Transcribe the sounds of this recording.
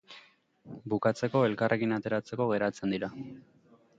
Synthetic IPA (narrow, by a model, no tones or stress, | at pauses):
bukat͡se̞ko̞e̞lkarʔe̞kinat̪e̞ɾat͡se̞ko̞ɣ̞e̞ɾat͡se̞nd̪iɾa